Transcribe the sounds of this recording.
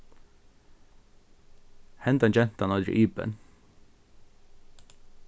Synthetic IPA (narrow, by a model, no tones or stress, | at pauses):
hɛnd̪ɑnt͡ʃɛnt̪ɑnɑld̪ɾɪ̰ʔyːbə̰n